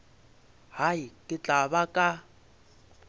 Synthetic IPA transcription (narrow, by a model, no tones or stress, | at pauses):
haikʼɪt͡ɬʼaβakʼa